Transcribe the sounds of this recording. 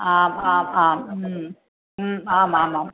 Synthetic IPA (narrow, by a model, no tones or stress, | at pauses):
ʔaːmaːmaːm̩ | aːmaːmaːm